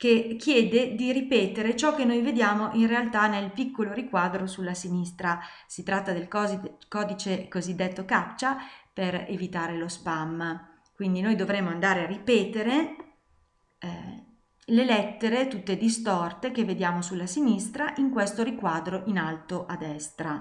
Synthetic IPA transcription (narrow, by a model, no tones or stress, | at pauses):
kek̟ːjɛːd̪ed̪iɾipɛːt̪eɾet͡ʃɔkːenːojved̪jaːmoʔinrealt̪anelpikːoloɾikwaːd̪ɾosulːasinist̪ɾa | sit̪ɾat̪ːad̪elkːkɔːd̪it͡ʃekozid̪ːet̪ːokat͡ʃːaperḛvit̪aːɾelospam | kwind̪inojd̪ovɾemːoand̪aːɾearipɛːt̪eɾe | lelɛt̪ːeɾet̪ut̪ːed̪ist̪ɔrt̪ek̟evːed̪jaːmosulːasinist̪ɾaʔiŋkwest̪oɾikwaːd̪ɾoʔinalt̪oʔad̪ːɛst̪ɾa